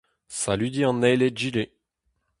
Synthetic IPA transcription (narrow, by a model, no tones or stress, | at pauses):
salid̪iɑ̃nːɛjled͡ʒile